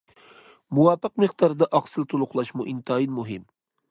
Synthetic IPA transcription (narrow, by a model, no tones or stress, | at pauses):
muwɑːpɨqmɨχd̪ɑɾd̪ɑʔɑqsɨlˠt̪ʰolˠʊqlˠɑʃmuʔint̪ʰɑːinmuɦɪm